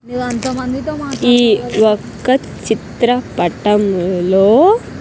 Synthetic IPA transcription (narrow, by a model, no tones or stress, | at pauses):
n | iːɔkːɐ | t͡ʃit̪ɾɐpɐʈɐmloː